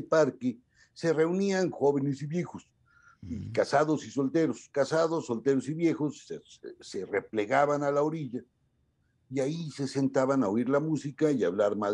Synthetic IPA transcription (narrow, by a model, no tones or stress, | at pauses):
paɾke | se̞re̞unianxo̞βe̞ne̞siβje̞xos | ikasaðo̞siso̞lt̪e̞ɾoskasaðosːo̞lt̪e̞ɾosiβje̞xosese̞re̞ple̞ɣaβanalaoɾiʎa | iaise̞se̞nt̪aβanaoiɾlamusikaiaβlaɾma